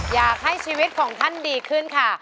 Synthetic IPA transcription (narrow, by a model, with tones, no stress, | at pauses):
jaː˨˩k̚ɦa˥˩jt͡ɕʰiː˧wi˦t̪̚kʰɔː˩˦ŋt̪ʰa˥˩ndiː˧kʰɯ˥˩nkʰa˥˩